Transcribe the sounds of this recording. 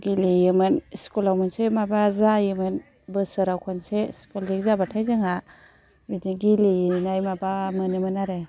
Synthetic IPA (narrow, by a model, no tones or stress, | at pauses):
ɡilijɯmɯnskulawmɯnsemabazajɯmɯn | bɯsɯɾawkʰɔnseskolik̚zabatʰajzɯŋa | bidiɡilijinajmabamɯnɯmɯnaɾe